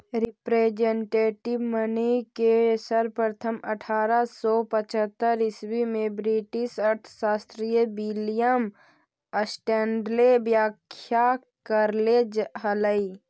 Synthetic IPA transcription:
ɾɪpɾeːd͡ʒẽɳʈeːʈɪʋmənikesəɾpɾət̪ʰəməʈʰaːɾasɔpət͡ʃʰət̪ːəɾɪswimẽbɾiʈɪsɐɾt̪ʰʃaːst̪ɾijəbilijəm | əsʈɛ̃ːɳɖlebjaːkʰja | kəɾled͡ʒɦələi

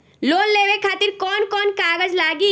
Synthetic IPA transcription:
loːnleːʋekʰaːt̪ɪɾkɔːnkɔːnkaːɡəd͡ʒlaːɡi

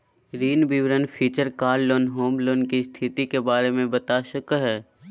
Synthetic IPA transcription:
ɾiːnbɪʋɾənpʰiːt͡ʃəɾkaːɾloːnɦoːmloːnkist̪ʰɪt̪ikebaːɾemẽbət̪aʃəkɦɛː

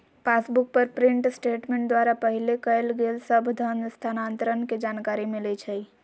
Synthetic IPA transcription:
pasbuk̚pəɾpɾiɳʈsʈeʈmẽɳʈd̪waɾapəɦilekəjlɡelsəbʱd̪ʱənst̪ʰanant̪əɾənked͡ʒankaɾimilet͡ʃʰəi

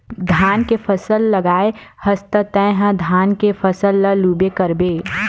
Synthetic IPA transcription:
d̪ʱaːnkepʰɐsəlːɐɡaːehɐst̪ət̪ɛ̃ːɦə̃d̪ʱaːnkefʰɐsəlːɐluːbekɐɾbeː

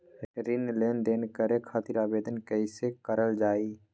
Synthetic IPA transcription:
ɾɪnleːnd̪eːnkəɾekʰaːt̪ɪɾaːbeːd̪ənkəɪsekəɾəld͡ʒaːiː

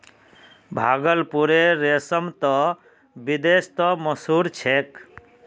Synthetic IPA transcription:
bʱaɡəlpuɾeɾesəmt̪ɔ | bid̪est̪ɔməsuɾt͡ʃʰek

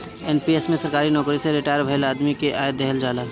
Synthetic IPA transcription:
ɛːnpiesmẽsɐɾkaːɾinɔːkɾiseɾɪʈaːjəɾbʱɐjlaːd̪mikeʔaːjət̪̚ɛɦəld͡ʒaːlaː

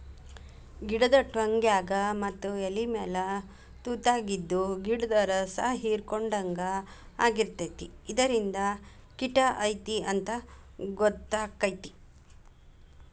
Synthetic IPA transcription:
ɡiɽɐd̪ɐʈʋɐŋɡjaːɡɐmɐt̪ːuelimɛːlɐ | t̪uːt̪aːɡid̪ːuɡiɽɐd̪ɐɾɐsɐɦiːɾkɔɳɖɐŋɡɐ | a̰ːɡiɾt̪ɐt̪iːd̪ɐɾind̪ɐ | kiʈɐʔɐjt̪iɐnt̪ɐ | ɡɔt̪ːaːkɐjt̪i̥

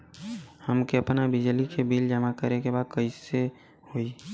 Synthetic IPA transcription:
həmkeɐpnabɪd͡ʒlikʰebiːld͡ʒəmakəɾekebaːd̪̚kəise | hoːi

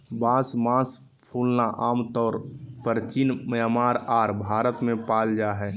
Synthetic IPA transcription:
bãːsmãːspʰuːlnaʔaːmt̪ɔːɾpəɾt͡ʃɪnməmaːɾaːɾbʱaːɾət̪mẽpaːld͡ʒaɦɛː

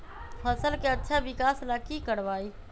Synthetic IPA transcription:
pʰəsəlkeɐtːʃʰaʋɪkaːslakikəɽʋaːiː

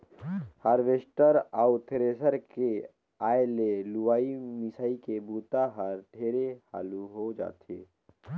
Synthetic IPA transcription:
həɾʋesʈəɾaːut̪ʰeɾeːsəɾke | aːeleluwaːimɪsaːikebuːt̪aɦəɾʈʰeːɾeha̰ːluɦod͡ʒa̰ːt̪eː

